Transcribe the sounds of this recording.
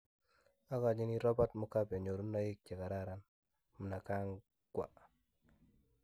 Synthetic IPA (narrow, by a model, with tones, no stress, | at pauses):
a˦ka˨d͡ʒi˦ni˦ɾɔ˦ba˦tmu˨ka˦bɛ˨ɲo˨ɾu˦na˦ji˦k̚t͡ʃa˨ka˨ɾa˦˨ɾa˦n | mu˨na˨ka˦ŋ | ɡwa̰˨